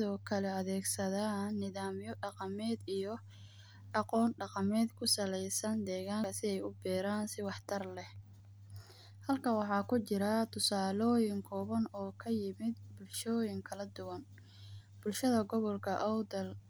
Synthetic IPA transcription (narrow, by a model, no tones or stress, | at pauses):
sɪðɔːkʰɐlɛɐðɛːɡsɐðaːnːɪðaːmjɔɖɑqɑmɛːd̪ijɔ | ɖɑqɔːnɖɑqɑmɛːd̪kʰʊsɐlɛjsɐnd̪ɛːɣaːŋsɪɛjʊbɛːɾaːnsɪwɑħt̪ʰɐrlɛh | hɐlkʰɐwɑħɑːkʰʊt͡ʃɪɾɐt̪ʰʊsaːlɔːjɪŋkʰɔːβɐnɔːkʰɐjɪmɪd̪̚bʊlʃɔːjɪŋkʰɐlɐd̪ʊwɐn | b̥ʊlʃɐðɐɡɔβɔlkʰɐʔɔwd̪ɐl